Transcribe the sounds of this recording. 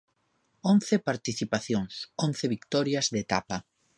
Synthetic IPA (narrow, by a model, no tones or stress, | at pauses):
onθɪpaɾt̪iθipaθjoŋson̟θɪβikt̪ɔɾjɐzðet̪apa